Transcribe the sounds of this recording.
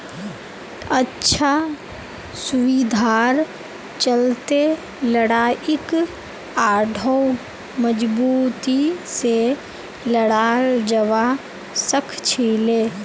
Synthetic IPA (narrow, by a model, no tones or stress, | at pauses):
ətːʃʰa | sʊʋid̪ʱaːɾ | t͡ʃəlt̪e | ləɽaːʔɪk | aːɖʱəw | məd͡ʒbuːt̪ise | ləɽaːld͡ʒəʋa | səkʰt͡ʃʰiːleː